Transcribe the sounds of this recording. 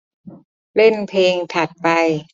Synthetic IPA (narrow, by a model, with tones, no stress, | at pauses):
le˥˩npʰeː˧ŋt̪ʰa˨˩t̪̚pa˧j